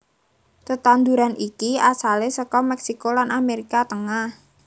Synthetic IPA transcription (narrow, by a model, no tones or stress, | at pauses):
t̪ət̪and̪uɾanʔikiasalesəkɔmɛksikolanʔameɾikat̪əŋah